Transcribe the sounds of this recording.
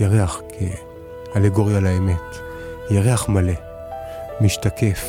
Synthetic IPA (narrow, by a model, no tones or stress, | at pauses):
jaʁeaχkʰe | aleɡo̞ʁjalaeme̞t | jaʁeaχmale̞ | miʃtakʰef